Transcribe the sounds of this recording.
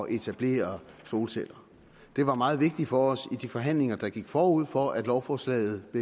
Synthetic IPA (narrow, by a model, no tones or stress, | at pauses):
ɒ̽ʔe̝t͡sʰæb̥le̝̰ːɐso̝ːlsel̰ɐ | d̥e̝ʋɑ̈mɑ̈ːð̞̩ˠʋe̝ɡ̥̚d̥i̥fɒ̽ɒ̽sid̥ifɒ̽ɦæn̰le̝ŋɐd̥ɑ̈ɡ̥iɡ̥fɒːuð̞̰ˠfɒ̽æd̥lɒʊfɒːslɛ̰ɪð̞̩ˠb̥e̝